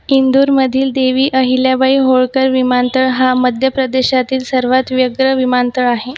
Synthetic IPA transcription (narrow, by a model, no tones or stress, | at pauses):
ind̪uːɾməd̪ʱiːld̪eʋiːʔəɦiljabaiɦoɭkəɾʋimant̪əɭɦaməd̪ʱjəpɾəd̪eɕat̪iːlsəɾʋat̪ʋjəɡɾəʋimant̪əɭaɦe